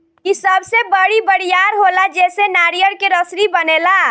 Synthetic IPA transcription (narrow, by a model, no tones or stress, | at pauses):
kisəbsebəɽibəɽijaɾɦolad͡ʒesenaɾijəɽkeɾəsɾibənela